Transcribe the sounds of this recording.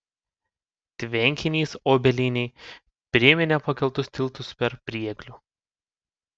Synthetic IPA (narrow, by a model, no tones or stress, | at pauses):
t̪ʲʋʲɛŋʲkʲɪnʲiːsoːbʲɛlʲinʲɛɪ | pʲɾʲɪɛmʲɪnʲɛpɐkʲɛlˠt̪ʊsʲt̪ʲɪlˠˑt̪ʊspʲɛɾpʲɾʲiɛɡlʲuː